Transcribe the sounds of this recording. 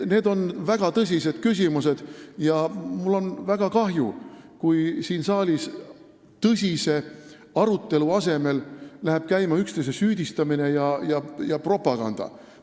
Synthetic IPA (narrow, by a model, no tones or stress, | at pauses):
ne̞ːd̪o̞nvæɡ̥ɑt̪ɤs̬ʲise̞d̪̥̚kysʲimuse̞d̪̥jɑmulːo̞nvæɡ̥ɑkɑɦjukujsiːnsɑːlʲis | t̪ɤsʲise̞ | ɑɾut̪ˑːe̞luɑse̞me̞llæheb̥̚kæjmɑykst̪ejsesyːd̪̥ʲist̪ɑmine̞jɑjɑjɑpro̞pːˑɑɡ̥ɑnd̪̥ɑ̰